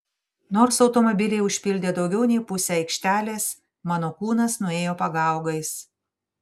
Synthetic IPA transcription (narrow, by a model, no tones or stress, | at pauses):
noːɾsɒʊt̪ɔmɔbʲɪlʲɛɪʊʃʲpʲɪlʲd̪ʲeːd̪ɒʊɡʲɛʊnʲɛɪpʊsʲɛɐɪkʃʲt̪ʲæːlʲeːs | mɑːnoːkuːnɐsnʊeːjoːpɐɡɑˑʊɡɐɪs